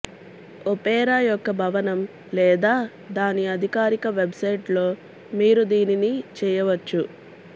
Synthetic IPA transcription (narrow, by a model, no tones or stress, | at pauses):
opɛːɾaːjɔkːɐbʱɐʋɐnɐm | lɛːd̪aː | d̪aːniɐd̪ʱikaːɾikɐʋebsɐjʈlo̞ː | miːɾud̪iːninit͡ʃɛːjɐʋɐt͡ʃːu